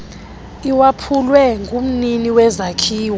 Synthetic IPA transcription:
iwapʰulwɛŋɡum̩niniwɛzakʰiːw

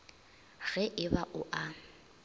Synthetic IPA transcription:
ɣɛʔɪbaʔʊʔa

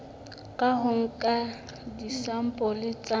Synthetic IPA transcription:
kʼaɦʊŋ̩kʼa | disam̩pʼɔlɪt͡sʼa

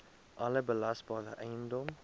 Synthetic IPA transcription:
ʔɐləbəlɐsbɑːɾəʔɛjəndɔm

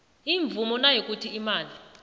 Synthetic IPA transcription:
iɱvumɔnajek̬ʼutʰiimaːnʱi

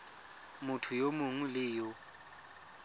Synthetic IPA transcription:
mʊtʰʊjomʊŋulɪːjɔ

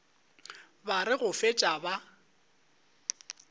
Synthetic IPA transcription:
baɾɪɣʊfet͡ʃʼaba

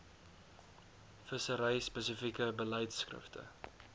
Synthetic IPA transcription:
fəsəɾɛjspəsəfikəbəlɛjtskrə̰ftʰə̰

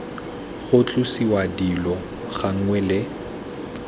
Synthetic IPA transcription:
ɣʊt͡ɬʼʊsiwadilɔ | ɣaŋ̩ŋwɛlɪ

